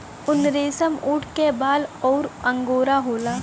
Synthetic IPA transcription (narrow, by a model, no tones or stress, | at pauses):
ʊnɾeːsəmuːʈʰkebaːlɔːɾə̃ŋɡoːɾaɦoːlaː